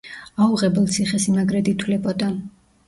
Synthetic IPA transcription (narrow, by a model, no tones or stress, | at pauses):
auʁɛbɛlˠt̪sʰiχɛsimaɡɾɛd̪it̪ʰwlɛbɔd̪a